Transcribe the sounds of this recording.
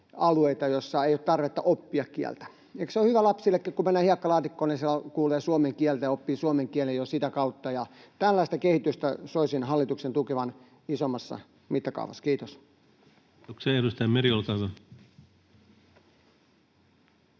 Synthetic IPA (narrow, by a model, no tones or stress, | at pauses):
ɑlueit̪ɑjosːɑeijoːt̪t̪ɑrʋet̪ːɑʔopːiɑkkiæ̰lt̪æ̥ | ekseohyʋælɑpsilːekːækumænːæːhiɑkːɑlɑːt̪ikːoːninsielːækuːleːsuomeŋkiælt̪æjɑopːiːsuomeŋkiælejosit̪ækɑut̪ːɑjɑt̪ælːæˑist̪ɑkehit̪yst̪æsoisinhɑlːit̪uksent̪ukeʋɑn | isomːɑsːɑ̰ | mit̪ːɑkɑ̰uʋɑ̰skiːt̪os | okseeɾust̪ɑjmeɾiolt̪ɑso